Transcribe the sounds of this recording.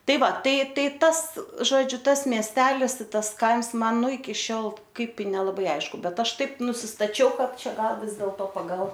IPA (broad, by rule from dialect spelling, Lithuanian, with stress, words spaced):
ˈtɐɪ ˈʋɐ ˈtɐɪ ˈtɐɪ ˈtɐs ˈʒoːd͡ʒʲʊ ˈtɐs mʲiɛsʲˈtʲæːlʲɪs ɪ ˈtɐs ˈkɐɪms ˈmɐn ˈnʊ ɪkʲɪ ˈʃʲoːlˠ ˈkɐɪp ɪ nʲɛlˠɐˈbɐɪ ˈɐɪʃkʊ ˈbʲɛt ˈɐʃ ˈtɐɪp nʊsʲɪstɐˈt͡ʃʲɛʊ ˈkɐt ˈt͡ʃʲɛ ˈɡɐlˠ ˈʋʲɪs dʲeːlˠtoː pɐɡɐlˠ